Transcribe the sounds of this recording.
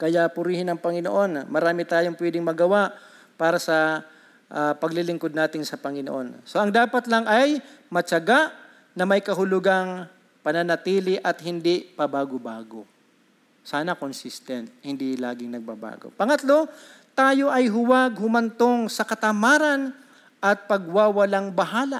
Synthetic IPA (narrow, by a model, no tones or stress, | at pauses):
kɐjaʔpʊɾiːhɪnɐŋpɐŋɪno̰ʔo̞nmɐɾaːmɪt̪aːjoŋpwɛd̪ɪŋmɐɡɐwaʔ | paːɾɐsɐ | ʔapɐɡlɪlɪŋkod̪naːt̪ɪnsɐpɐŋɪnoʔo̞nso̞ʔɐŋd̪aːpɐt̪lɐŋʔɐjmɐt͡ʃɐɡaʔ | nɐmɐjkɐɦʊlʊɡaŋ | pɐnɐnɐt̪iːlɪʔɐt̪hɪnd̪ipɐbaːɡobaːɡo | saːnɐkonsɪst̪ɛnt̪̚hɪnd̪ilaːɡɪŋnɐɡ̚ba̰ba̰ːɡo̞̰pɐŋɐt̪lo̞ | t̪aːjo̞ʔɐjɦʊwaɡ̚hʊmɐnt̪oŋsɐkɐt̪ɐmaːɾɐn | ʔɐt̪̚pɐɡ̚wawɐlaŋbɐɦaːla